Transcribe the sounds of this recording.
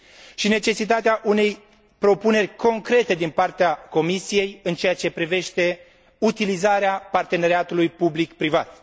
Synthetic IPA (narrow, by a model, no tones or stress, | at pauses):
ʃine̞t͡ʃe̞sit̪at̪eaʔune̞j | pɾo̞pune̞rʲko̞ŋkɾe̞t̪e̞d̪inpart̪eako̞misije̞jɨnt͡ʃe̞jat͡ʃe̞pɾive̞ʃt̪e̞ | ut̪ilizaɾeapart̪e̞ne̞ɾeat̪ulujpublikpɾivat̪̚